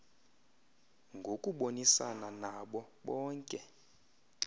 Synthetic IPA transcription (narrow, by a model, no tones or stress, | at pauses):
ŋɡʱokʼuɓonisa̰nanaɓɔɓɔːŋkʼɛ